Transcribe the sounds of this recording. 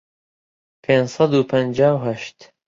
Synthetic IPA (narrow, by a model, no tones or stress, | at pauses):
pʰeːnsɑd̪uːpʰənd͡ʒaːwɦɐʃt̪